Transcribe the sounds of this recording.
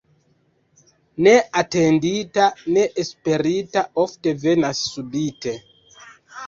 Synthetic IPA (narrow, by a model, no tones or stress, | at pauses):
ne̞ate̞nditane̞ʔespe̞ɾitao̞fte̞ve̞nasːubite̞